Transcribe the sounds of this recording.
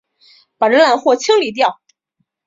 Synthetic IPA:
pa˨˩ɻə˧˥nla˨˩nxwɔ˥˩t͡ɕʰi˥ŋli˨˧˩t̪̬jɑ˥˩ʊ

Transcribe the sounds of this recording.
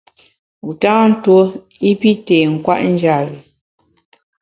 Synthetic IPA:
u˨ta˦n̩˦two˦ | i˦pi˦teː˨ŋ̩˨kwa˦ʔn̩˦d͡ʒa˨ɣi˨

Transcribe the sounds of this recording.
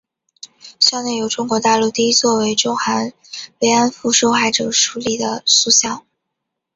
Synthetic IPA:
ɕjɑ˥˧ʊne˥˩ɪjo˧˥ʊʈ͡ʂʊ˥ŋkwɔ˧˥t̪a˥˧lu˥˧t̪i˥˧i˥t͡swɔ˥˩we˧˥ɪʈ͡ʂʊ˥ŋxa˧˥n | we˧˥ɪa˥nfu˧˥ʂo˥ʊxa˥˩ɪʈ͡ʂɤ˨˩ʂu˧˥li˥˩d̪ə̰˩su˥˧ɕjɑ˥˩˦ŋ

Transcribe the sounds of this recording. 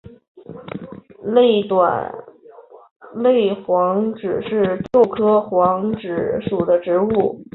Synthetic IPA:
lt̪wa̰˨˩n | le˥˩ɪxwɑ˧˥ŋʈ͡ʂɻ̩˨˩ʂɻ̩˥˧t̪ʰo˥˩ʊkʰɤ˥xwɑ˧˥ŋʈ͡ʂɻ̩˧˥ʂu˨˩d̪ə˦ʈ͡ʂɻ̩˧˥u˥˩

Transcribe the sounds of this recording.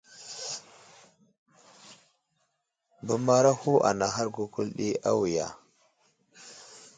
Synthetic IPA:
bu˨ma˦ɾa˦hu˦ʔa̰˨na˨ɦa˦ɾɡu˦ku˦lɗi˦a̰˦wi˨ja̰˨

